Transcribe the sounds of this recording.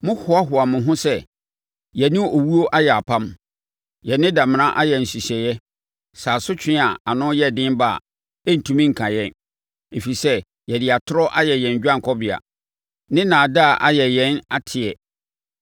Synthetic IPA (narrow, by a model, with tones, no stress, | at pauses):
mʊ̃˦hʊ˨˦a˦ɦʊ˨a˨mʊ̃˨ɦʊ̃˦sɛ˦ | jɛ˨nɪ̃˦o˨wu˦o˦ʔa˦jɛ˨a˨pʰã˦m | jɛ˨nɪ̃˦da˨m̃˨nã˦ʔa˦jɛ˨n̩˨si˨ɕɛ˨jɛ˦ | saː˨sʊ˦t͡ɕʰᶣɪ̃˦a˨a˨nʊ̃˦jɛ˦dɪ̃˦ba̰˦˨ | ɛ˦n̩˨tʰũ˦mĩ˦ŋ̩˨kʰã˨jɛ˦n | e˨fi˨sɛ˦ | jɛ˨dɪ˨a˨tʰʊ˦ɾɔ˦ʔa˦jɛ˨jɛ̃˨ɲ˨d͡ʑᶣã˦ŋ˨kʰɔ˦bɪ˨a̰˨ | nɪ̃˦nã˨da˦˨ʔa˨jɛ˨jɛ̃˨˦na˦tʰɪ˨ɛ˨